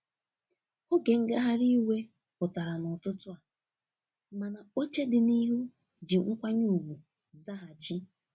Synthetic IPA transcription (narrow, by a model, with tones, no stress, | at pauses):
o˦ɡe˨ŋ̩˦ɡa˦ɦa˦ɾi˦we˦ | pʊ˨ta˨ɾa˨nʊ˨tʊ˦tʊ˦a˨ | ma˨na˨o˦t͡ʃe˦dɪ˨ni˦ɦu˦ | d͡ʒɪ˨ŋ̩˦kʷa˦ɲu˦u˨ɡʷu˨ | za˦ɦa˨t͡ʃi˦